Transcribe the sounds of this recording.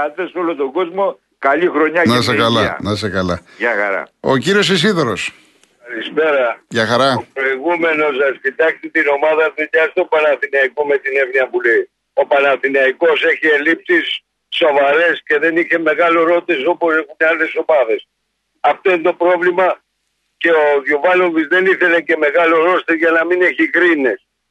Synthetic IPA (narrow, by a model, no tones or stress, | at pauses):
ɐt̪esolot̪oɡozmo | kɐʎixɾoɲɐnɐs̬ekɐlɐnɐs̬ekɐlɐʝɐxɐ̰ɾɐ̰o̰ciɾio̞s̬is̬iðoɾos | ɐlispe̞ɾɐʝɐxɐɾɐopɾo̞iɣume̞nos̬ɐscit̪ɐkst̪et̪ino̞mɐðɐðuʎɐst̪o̞pɐnɐθinɐikome̞t̪ine̞vniɐpule̞i | o̞pɐnɐθinɐiko̞se̞çie̞lipsisː | o̞vɐɾe̞sce̞ðe̞niçe̞me̞ɣɐloɾo̞t̪eso̞pose̞xuneɐle̞so̞mɐðe̞s | ɐft̪o̞int̪o̞pɾo̞vlimɐ | ce̞oðovɐlovizðe̞niθe̞lece̞me̞ɣɐloɾo̞st̪ezʝɐnɐmine̞çikɾine̞s